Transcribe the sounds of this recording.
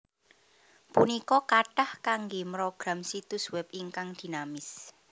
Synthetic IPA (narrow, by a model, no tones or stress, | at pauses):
punikɔkaʈahkaŋɡemɾoɡ̥ɾamsit̪ʊswɛp̚iŋkaŋd̪̥i̤namɪs